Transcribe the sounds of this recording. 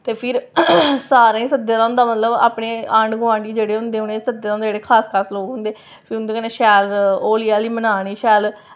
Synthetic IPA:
t̪eːpʰɪɾsaːɾãːĩːsəd̪ːeːlaːʊ̃nd̪aːmət̪ləba̰ːpɳeːəɳɖɡʊãːɳɖiːd͡ʒeːɽeːɦʊ̃nd̪eːɦʊnẽːsəd̪ːeːlãːned͡ʒeːɽeːkʰaːskʰaːɾsloːkɦʊ̃nd̪eː | pʰɪɾʊnd̪eːkənẽːʃɛːloːlijaːliːmənaːɽ̃iːʃɛːl

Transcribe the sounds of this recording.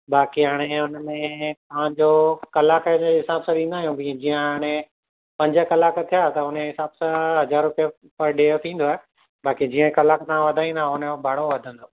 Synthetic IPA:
baːkiɦaːɽ̃eʊnəmẽt̪ɐɦãɲd͡ʑokɐlaːkəd͡ʑeɦɪsaːbsãd̪ĩːnd̪aːɦijũbĩd͡ʑiːə̃aːɽ̃e | pɐ̃ɲd͡ʑəkɐlaːkt̪ʰijat̪ɐʊneɦɪsaːbsãɦɐzaːɾʊpijə | pɐɾɖeːt̪ʰĩːn̆d̪oaːɦe | baːkid͡ʑiːə̃kɐlaːkt̪aãʋɐd̪ʱaːĩnd̪ʱaʊnəbʱaːɽ̤oʋɐd̪ʱə̃nd̪oː

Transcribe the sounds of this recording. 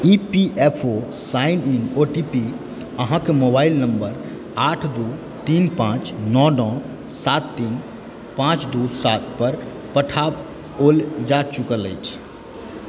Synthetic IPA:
ipiʔepʰo | saininoʈipi | əɦãkemobailnəmbəɾ | aʈʰd̪u | t̪inpãt͡ʃnɔɖɔ̃ | sat̪ːin | pãt͡ʃd̪usat̪̚pəɾ | pəʈʰab | old͡ʒat͡ʃukələ̰jt͡ʃʰ

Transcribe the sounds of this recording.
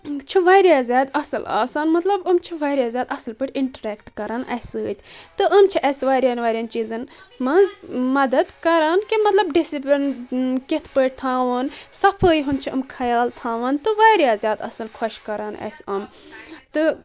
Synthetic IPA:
t͡ʃʰiʋaːɾjaːzʲjaːd̪ɐsɨla̰ːsaːnmɐt̪lɐbɐmt͡ʃʰiʋaːɾʲjaːzʲjaːd̪ɐsɨlpəʈʲiɳʈɐɾɛːkʈkɐɾaːnʔɐ̰sɨːt̪ʲt̪ɨʔɐmt͡ʃʰiʔɐsʋaːɾʲjaːnʋaːɾʲɐnt͡ʃiːzɐnmɐzmɐd̪ɐd̪kɐɾaːnkimɐt̪lɐbɖisiplʲinket̪ʰpəʈ̚ʲt̪ʰaːʋɐːnsɐpʰəːjɦunt͡ʃʰiɐmkʰɐjaːlt̪ʰaːʋaːnt̪ɨʋaːɾʲjaːzʲjaːd̪ɐ̰sɐlkʰwɐʃkɐɾaːnɐ̰sɐmt̪ɨ

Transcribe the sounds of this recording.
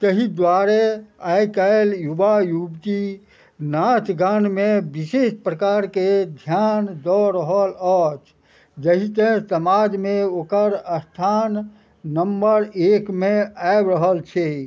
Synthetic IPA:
t̪əɦid̪waɾeajkəeljubajubk̪i | nat͡ʃɡanmẽbisespɾəkaɾked̪ʱjand̪ɔɾəɦəlɔt͡ʃ | d͡ʒəɦit̪ẽsəmad͡ʒmẽoːkəɾəst̪ʰanː | əmbəɾekmeaebɾəɦəlt͡ʃʰɛ

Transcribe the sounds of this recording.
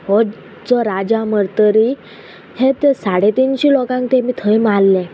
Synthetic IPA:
ɦɔ | d͡zɔɾad͡ʑaməɾt̪əɾi | het̪esaɽet̪inɕiːlɔkãŋk̚t̪emiːt̪ʰəjmalːɛ̃

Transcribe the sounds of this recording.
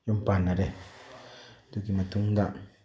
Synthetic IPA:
jumpanːaɾe | d̪ukimat̪uŋd̪aʔ

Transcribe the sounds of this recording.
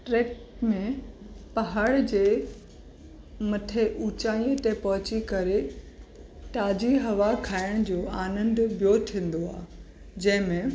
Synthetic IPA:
ʈɾeːkmẽpɐɦaːɽd͡ʑeː | mɐʈʰeʔuːt͡ɕaːĩə̃t̪ẽpɐɦʊt͡ɕikɐɾe | ʈaːd͡ʑiɦɐʋakʰaːɪɽ̃d͡ʑoːaːnə̃nd̪bjoːtʰĩːnd̪oaː | d͡ʑɐ̃ɦɪ̃mẽ

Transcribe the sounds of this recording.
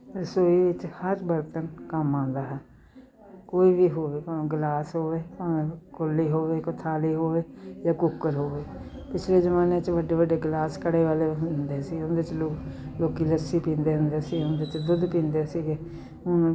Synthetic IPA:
pəɾsoːiːʋɪt͡ʃhəɾbəɾt̪ənkəmãːnd̪aːɦɛː | koːiːbiːɦoːʋeːpãɡlaːsɦoːʋeːpãːkʊlːiːɦoːʋeːkʊt̪ʰaːleːɦoːʋeːd͡ʒaːkʊkːəɾɦoːʋeː | pɪt͡ʃʰleːd͡ʒəmaːneːt͡ʃʋəɖːeːʋəɖeːɡlaːskəɽeːʋaːleːɦʊnnd̪eːsiːʊnd̪et͡ʃloloːkiːləsːiːpĩːnd̪eːɦʊnd̪eːsiːʊnd̪eːt͡ʃd̪ʊd̪pĩːnd̪eːsiːɡeː | ʊn

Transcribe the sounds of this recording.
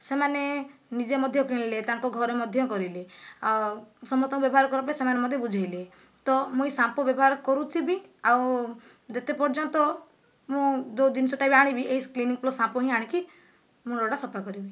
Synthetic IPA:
semanenid͡ʒemɔd̪ʱjɔkiɽ̃let̪ãŋkɔɡʱɔɾemɔd̪ʱjɔkɔɾile | sɔmɔt̪ɔ̃ŋkɔbjɔbɦaɾkɔɾɔpasemanemɔd̪ʱjɔbud͡ʒʱajle | t̪ɔmũĩsãpɔbjɔbɔɦaɾkɔɾut͡ʃʰibiaw | d͡ʒet̪epɔɾd͡ʒɔnt̪ɔ | mũd̪od̪insɔʈabiaɽ̃ibiʔeɦisklinĩŋkplɔsãpɔɦĩaɽ̃ĩki | mũɔɽasɔpakɔɾibi

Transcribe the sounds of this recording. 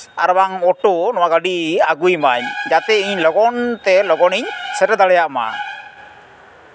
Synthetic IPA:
aɾbaŋɔʈɔnɔwaɡaɖiaɡujmaɲd͡ʒat̪ɛiɲlɔɡɔnt̪ɛlɔɡɔniɲsɛʈad̪aɭɛjaʔma̰

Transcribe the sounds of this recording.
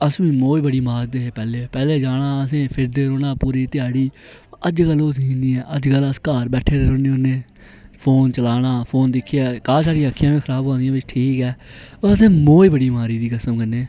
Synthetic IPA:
əsʋĩːmoːiːbəɽiːmaːɾd̪eːɦeːpɛːleːpɛːleːd͡ʒaːɽaːəsẽːpʰɪɾd̪eːɾoːɽaːpuːɾiːt̪ɪjaːɽiː | əd͡ʒkəlːoːsĩːniːɛːəd͡ʒkələskaːɾbɛːʈʰeːɾeːɾoːneːõːnẽː | pʰoːnt͡ʃəlaːɽaːpʰoːnd̪ɪkʰːaːkaːsaːɾijakʰːjãːmẽːəɾaːbɦõːndɪjãːʋɪt͡ʃʈʰiːkɛːəsẽːmoːiːbəɽiːmaːɾiːd̪iːkəsəmkəneː

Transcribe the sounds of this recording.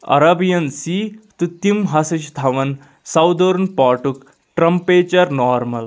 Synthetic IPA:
ɐ̰ɾɐbijɐnsit̪ut̪imɦasɐɕt̪ʰɐʋɐn | sɐwd̪oɾunpaʈuk | ʈɾɐmpet͡ɕɐɾnɔːɾmɐl

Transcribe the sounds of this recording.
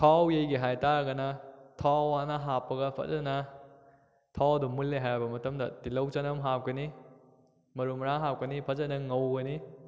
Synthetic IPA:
tʰawjejɡiɦajtaɾɡɐnɐtʰawanɐɦapːɐɡɐpʰɐ̰t̚zɐnɐ | tʰawdumulːeɦajabɐmɐtɐmdɐ̰dilɐwt͡ʃɐnɐmɦap̚kɐni | mɐɾumɾaŋɦap̚kɐnipʰɐzɐnɐŋɐwɡɐni

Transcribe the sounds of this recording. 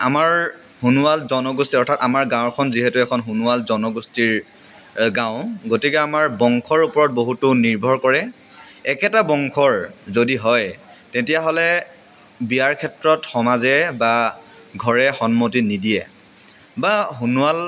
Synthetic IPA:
a̰maɹ | hunualzɔnɔɡustiɔɹtʰatamaɹɡãʊ̃kʰɔnziɦɛtʊɛkʰɔnɦunualzɔnɔɡustiɹ | ɡãʊ̃ɡotikɛamaɹbɔŋkʰɔɹupɔɹɔt̚boɦutʊniɹbʱɔɹkɔɹɛ | ɛkɛtabɔŋkʰɔɹzodiɦɔj | tẽtijaɦɔlɛ | bijaɹkʰɛtɹɔtxɔmazɛba | ɡʱɔɹɛxɔnmotinidijɛ | baɦunual

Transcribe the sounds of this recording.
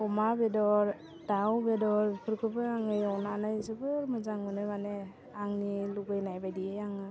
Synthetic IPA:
ɔmabedɔɾ | d̥awbedɔɾpʰɯɾkʰɯbɯaŋɯjɔnanajzɯbɯɾmɯzaŋɯnɯmane | aŋniluɡɯjnajbajdiejaŋɯ

